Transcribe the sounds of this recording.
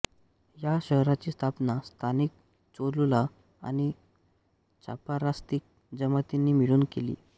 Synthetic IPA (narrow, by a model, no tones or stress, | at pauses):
jaɕəɦɾat͡ɕiːst̪ʰapnast̪ʰanik̚ | t͡solula | a̰ñi | t͡ɕa̰paɾast̪ik̚ | d͡zəmət̪inːiːmiɽuːnkelḭː